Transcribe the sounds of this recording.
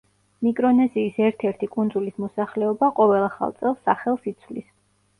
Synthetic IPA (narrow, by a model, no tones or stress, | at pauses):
mikʼɾɔnɛziːsɛɾt̪ʰɛɾt̪ʰikʼund̪zulismɔsaχlɛɔbaqʼɔvɛlˠaχa̰lˠt̪sʼɛlˠsːaχɛlˠsit̪sʰvlḭs